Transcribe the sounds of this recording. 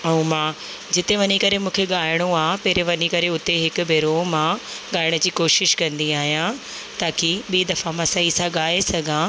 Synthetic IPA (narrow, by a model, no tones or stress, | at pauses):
ɛũmãː | d͡ʑɪt̪eʋɐɲikɐɾemũːkʰeɠaːɪɽ̃oaːɦpeːɾeʋɐɲikɐɾeʊt̪eɦɪkʊ̆bʱeːɾomãː | ɠaːɪɽ̃əd͡ʑiːkoːʃɪʃkɐ̃nd̪iaːɦijã | t̪aːkiɓiːd̪ɐfamãːsɐisãɠaːesɐɡʱã